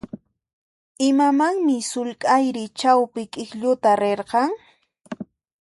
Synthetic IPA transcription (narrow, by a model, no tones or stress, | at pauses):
ɪmamaŋmɪsʊlkʼajɾɪt͡ʃawpɪkʼɪkʎʊt̪aɾeɾqɑŋ